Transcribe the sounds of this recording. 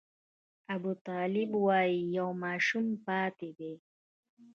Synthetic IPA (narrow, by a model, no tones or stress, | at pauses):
abut̪ɑːlɪbwaijɐwmaːʃumpaːt̪ebe